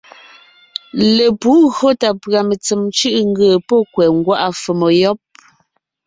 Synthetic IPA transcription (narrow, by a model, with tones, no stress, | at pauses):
le˨pu˨˦ɣɰo˦ta˨pɰa˨me˨t͡se˨mt͡ʃʉ˦ʔŋ̩˦ɡəː˨pɔ˦kwɛ˨ŋ˦ɡwa˦ʔa˦fə˨mɔ˨jɔ˦p̚